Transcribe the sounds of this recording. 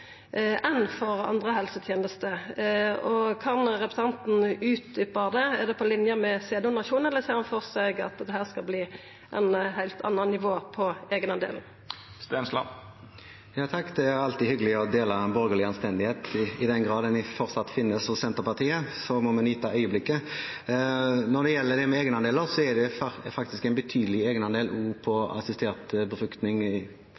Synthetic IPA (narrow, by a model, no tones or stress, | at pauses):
ʔɛnfɔʁɑ̰nd̪ʁəhɛlsət̪ʰjeːnəst̪ə | ɔkʰɑnɾɛpɾ̥sɑnt̪n̩ʉːt̪d̪ʏpəʁd̪ɛɛʁd̪ɛpʰɔlɪnjəmɛseːd̪ʊnɑʃuːnɛlːəseːʁhɑnfɔʁsɛɡɑ̰t̪d̪ɛhæːʁskɑlbliː | ʔɛnhæɪlt̪ʰɑ̰nːɑnnɪʋoːpʰɔeːɡnɑd̪ḛːln̩ | st̪eːnslɑ̰ | jɑːt̪ʰɑkd̪ɛæɾɑlt̪ɪhʏɡəlɪɔd̪eːlɑbɔʁɡəlɪɑnst̪ɛnd̪ɪheːt̪ɪd̪ɛnɡʁɑːd̪ɛnɪfɔʁsɑt̪ːfɪnːəsɔsɛnt̪əʁpɑʁt̪ʰiːəsɔmɔmɛnyːt̪ʰɑœʏəblɪkːə | nɔd̪ɛjɛlːəd̪ɛmɛeːɡnəɑnd̪eːləʁsɔɛd̪ɛfɑkt̪ɪskæɛɪnbət̪ʰyːd̪əlɪeːɡənɑnd̪eːlʔuːpʰɔɑ̰sɪst̪eːʁt̪bəfɾʉkt̪nɪŋɪ